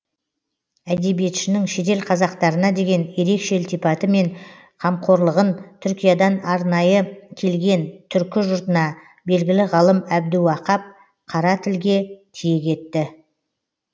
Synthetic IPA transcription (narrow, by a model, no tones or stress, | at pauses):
æd̪e̞bije̞t̪ʃɪnɪŋʃe̞t̪e̞lqʰɑzɑqt̪ɑɾənɑd̪e̞ɡʲe̞nje̞ɾe̞kʃe̞lʲt̪ijpɑt̪əme̞ɴ | qʰɑmqʰo̞ɾlˠəʁənt̪ʰʏɾkʲijad̪ɑnɑɾnɑjəkʲʰe̞lɡʲe̞nt̪ʰʏɾkʲɪʒʊɾt̪ənɑ | be̞lɡʲɪlɪʁɑlˠəmæb̚d̪uwɑqɑp̚ | qʰɑɾɑt̪ʰɪlɡʲe̞t̪ʰije̞kʲʰe̞t̪ːɪ